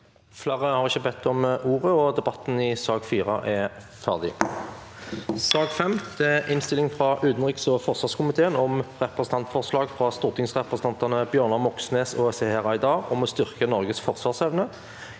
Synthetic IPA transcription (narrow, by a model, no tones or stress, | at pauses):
fleːʁəhɑʁɪçəbɛt̪ʰːɔmʔuːʁəɔd̪ɛbɑt̪ːn̩ɪsɑːɡfiːʁɑ̰ʔɛ | fæʁd̪ɪ̰ | sɑːɡfɛmd̪̥ɛæʔɪnst̪ɪlɪŋfʁɑʔʉːd̪nʁɪksɔfɔʁsʋɑːʁskʊmɪt̪ʰeːənɔmʁɛpʁəsən̩ɑnt̪fɔʁslɑːɡfʁɑst̪uːʁt̪ɪŋsʁɛpʁəsn̩ɑnt̪ɑnəbjøːʁnɑmɔksneːsɔsehɛʁɑɪd̪ɑːɔmɔst̪ʏʁkənɔʁɡəsfɔʁsʋɑːʁsɛʋnə